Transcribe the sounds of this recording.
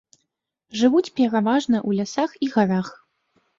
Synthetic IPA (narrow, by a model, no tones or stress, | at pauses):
ʐɨvut͡sʲpʲɛɾavaʐnɐʔulʲasaxiɣaɾax